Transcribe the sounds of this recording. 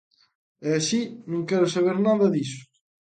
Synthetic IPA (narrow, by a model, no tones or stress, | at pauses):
ɛasinũŋkɛɾʊsaβ̞eɾnaðɐðisʊ̥